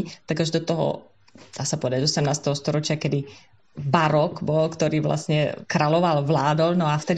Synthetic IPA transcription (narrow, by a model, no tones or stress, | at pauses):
t̪aɡaʒd̪ɔt̪ɔɦɔ̰ | d̪̥aːsapɔʋɛd̪aɟ̪ɔsɛmnaːst̪ɛɦɔst̪ɔɾɔt͡ʃɪakɛd̪i | baɾɔkbɔlkt̪ɔɾiːʋla̰sɲɛkɾalɔʋalʋlaːd̪ɔlnɔaft̪ɛd̪